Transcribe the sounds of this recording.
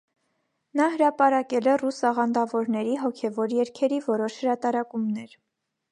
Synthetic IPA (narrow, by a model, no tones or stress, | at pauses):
nɑɦəɾɑpɑɾɑkɛlɛrusɑʁɑnd̪ɑvɔɾnɛɾiɦɔkʰɛvɔɾjɛɾkʰɛɾivɔɾɔʃhəɾɑt̪ɑɾɑkumnɛɾ